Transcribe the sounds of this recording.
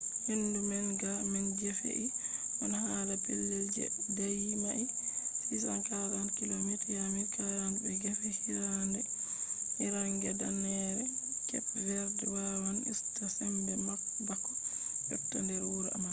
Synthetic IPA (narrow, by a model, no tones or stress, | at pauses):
hindumɛnɡamɛnɡɛfḛʔiʔɔnahalapelːeld͡ʒɛ̰dajimaʔifisankaɾankilomitjamitaɾanbɛɡɛfɛhiɾandɛ | hiɾaŋɡɛdanɛɾɛkɛpvɛɾdɛwawanḭstasɛmdɛma | bakːɔ̥jɔptːandɛɾuɾɛʔa̰ma